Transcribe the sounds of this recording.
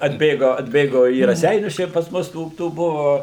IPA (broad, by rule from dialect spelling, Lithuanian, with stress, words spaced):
ɐdʲˈbʲeːɡoː ɐdʲˈbʲeːɡoː iː rɐˈsʲɛɪnʲʊs ˈt͡ʃʲɛ pɐs ˈmʊs ˈtuː ˈtuː ˈbʊʋoː